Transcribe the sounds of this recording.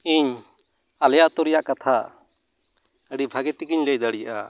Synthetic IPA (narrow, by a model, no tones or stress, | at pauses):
iɲ | aljaʔt̪ɔɾɛjaʔkat̪ʰa | əɽibʱaɡɛt̪ikiɲləjd̪aɽija̰ʔa̰